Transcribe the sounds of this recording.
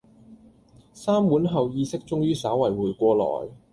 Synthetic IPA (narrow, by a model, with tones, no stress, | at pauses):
saː˥muː˨˥nɦɐ˨wjiː˧sɪ˥k̚t͡sʊ˥ŋjyː˥saː˨˥wɐ˨˩jwuː˨˩jkʷɔː˧lɔ̰ː˨˩j